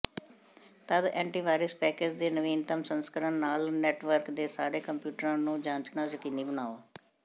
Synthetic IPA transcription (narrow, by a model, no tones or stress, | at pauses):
t̪əd̪ɛ̃ːɳʈiːʋaːɾəspɛːkeːd͡ʒd̪eːnəʋiːnt̪əmsənskəɾənːaːlnɛːʈʋəɾkd̪eːsaːɾeːkəmpjuːʈəɾãːnũːd͡ʒãːɲt͡ʃnãːzəkɪniːbənaːoː